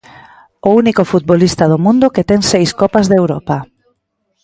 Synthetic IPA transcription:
ounikʊfut̪̚bolist̪aðʊmũnd̪ʊket̪ɛŋsejskɔpazðewɾɔpa

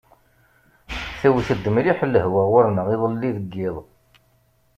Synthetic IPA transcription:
θæwθəd̪ːəmliħəlːəɦwaʁʊɾnəʁiðˤəlːiðəɡːɪðˤ

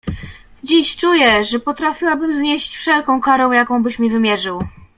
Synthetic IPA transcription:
d͡ʑiɕt͡ʂujɛʐɛpɔt̪ɾafʲiwabɘmzɲeɕt͡ɕfʂɛlkɔ̃w̃kaɾɔ̃w̃jakɔ̃w̃bɘɕmʲivɘmʲjɛʐɘw

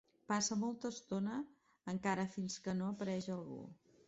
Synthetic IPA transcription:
pasəmolˠt̪əːst̪onəː | ŋkaɾəfinskənoəpəɾɛʒəlˠɣṵ

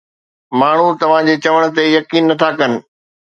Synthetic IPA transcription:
maːɳ̤ut̪ɐʋ̤ãd͡ʑeːt͡ɕɐʋəɽ̃ʊ̆t̪ejɐkiːnːɐt̪ʰakɐnɪ̆

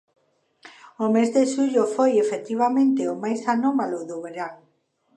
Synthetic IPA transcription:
ʊmezðeʃuʎʊfojefet̪iβ̞amẽnt̪eomajsanomalʊðoβeɾaŋ

